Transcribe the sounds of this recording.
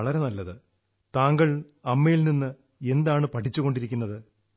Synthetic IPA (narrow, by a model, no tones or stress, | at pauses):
ɐɭɐɾe̞nɐlːɐðɨ | t̪aːŋɡɐɭ | ɐmːejilninːɨ | e̞nd̪aːɳɨpɐʈʰit͡ɕːuɣo̞ɳɖiɾikʲːunːɐðɨ